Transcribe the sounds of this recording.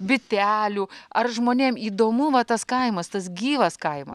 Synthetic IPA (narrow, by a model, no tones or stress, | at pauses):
bʲɪt̪ʲæːlʲuːɐrʒmoːnʲeːmiːd̪oːmuːʋɐt̪ɐskɐɪmɐst̪ɐsɡʲiːʋɐskɐɪmɐ̰